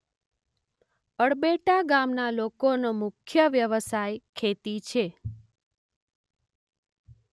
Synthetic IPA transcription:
əɽbeʈaɡamnalokonomʊkʰjəʋjəʋəsajkʰet̪it͡ʃʰe

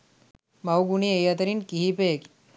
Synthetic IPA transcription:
mawɡuɳiejat̪̬əɾinkiɦipek

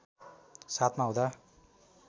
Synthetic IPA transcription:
sat̪ʰmaɦõd̪a

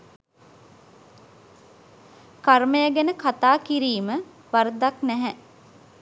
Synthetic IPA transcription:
karməjəɡenəkʰat̪aːkiɾiːmə | ʋaɾd̪aknæɦɛ

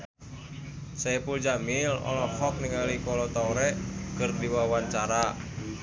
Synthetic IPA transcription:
sɛpuld͡ʒamilɔ̰lɔhɔk̚niŋalikɔlɔt̪auɾɛkɨrdiwawant͡ʃaɾa

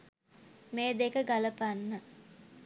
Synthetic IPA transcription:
meːd̪ekəɡaləpanːə

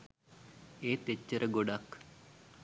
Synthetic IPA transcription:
eːt̪et͡ʃːəɾʔəɡoɖak

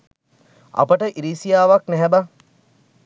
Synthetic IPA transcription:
ɐ̰pəʈəʔiɾiːsijaːʋaknɛɦɛba

